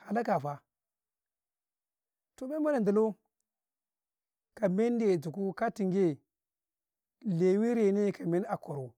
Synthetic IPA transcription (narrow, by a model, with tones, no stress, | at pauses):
ha˨la˦ka˨fa˨ | to˨be˦ma˦na˨ndu˨lo˦ | ka˨me˦n˦de˨d͡zu˨ku˦ka˦ti˨ŋɡe˦ | le˨wi˦ɾe˨ne˦˨ka˨me˦na˨ko˨ɾu˨